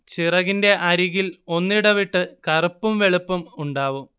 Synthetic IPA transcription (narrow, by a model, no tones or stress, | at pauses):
t͡ɕirɐɣinde̞ʔɐɾiɣilo̞nːiɽɐʋiʈːɨkɐrupːumʋe̞ɭupːɐmuɳɖaːʋum